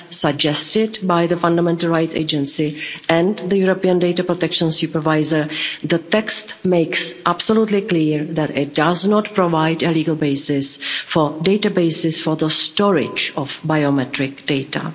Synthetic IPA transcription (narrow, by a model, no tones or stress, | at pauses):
saɡ̚d͡ʒɛstɪdbajðəfãndamɛ̃ntəl̩ˠɹajtsḛɪd͡ʒə̃nsɪɛ̃nðəjuɾopiə̃ndejtapɾotɛkʃə̃nsjupəɹvajzəɹðət̪ɛkstmejksʔabsolutlɪkliːɹðɛtɪt̚daznɔtpɾovajdəliːɡəlˠbeɪsɪsfɔdejtabeɪsɪsfɔɹðəstɔɹɪ̰d͡ʒɔfbajomɛtɾɪkdejta̰